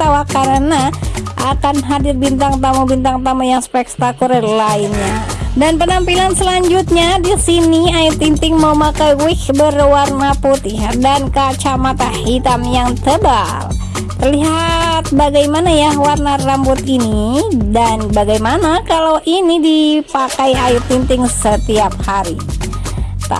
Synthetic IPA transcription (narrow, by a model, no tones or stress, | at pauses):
t̪awakaɾənaʔakanɦadirbint̪aŋt̪amubint̪aŋt̪amujaŋspɛk̚t̪akuɾɛlainɲa | danpənampilansəlaɲd͡ʒut̪̚ɲadisiniait̪int̪ɪŋmaumakajwɪkbərwarnaput̪ɪhdankat͡ʃamat̪ahit̪amjaŋt̪əba | l | t̪ərliɦat̪̚baɡajmanajawarnarambut̪inidanbaɡajmanakalawʔinidipakajajut̪ːint̪ɪŋsət̪iap̚haɾi | t̪a̰